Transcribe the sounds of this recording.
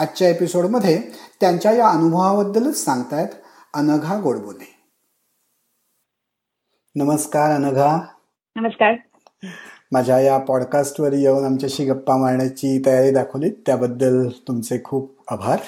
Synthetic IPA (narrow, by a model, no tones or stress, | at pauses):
ətːɕjaepisoɽməd̪ʱːjet̪jaɲt͡ɕjajaənubʱəʋabəd̪ːələsãŋɡt̪ajt̪ | ənəɡʱaɡoɽbone | nəməskaɾənəɡʱa | nəməskaɾ | mad͡ʑʱjajapɔɽkasʈʋəɾjewnamt͡ɕjaɕiːɡəpːamaɾɳjat͡ɕiːt̪əjaɾid̪akʰəʋliːt̪ːjabəd̪ːəlt̪umt͡sekʰuːp̚ | abʱaɾ